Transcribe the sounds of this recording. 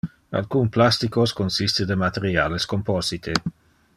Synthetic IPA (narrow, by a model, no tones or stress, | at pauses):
a̰lkunplast̪ikoskonsist̪ed̪əmat̪eɾjaːleskompɔzit̪ʰe